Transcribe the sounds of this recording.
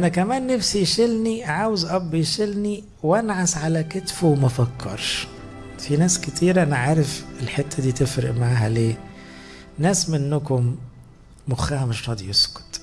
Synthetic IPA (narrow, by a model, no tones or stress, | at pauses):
ʔænækæmæːnːæfsijʃelniʕaːwezʔɑbːijʃelni | wænʕasʕalæket̪fuwmæfækʰːɑ̰ɾˤʃ | finæːsket̪iːɾʔænæʕaːɾefelħet̪ʰːæd̪iːt̪efɾɪ̰ʔmaʕaːɦæleː | næːsmenːʊkʊmː | oxæːhæmeʃɾˤɑːd̪ijeskʊ̥t̪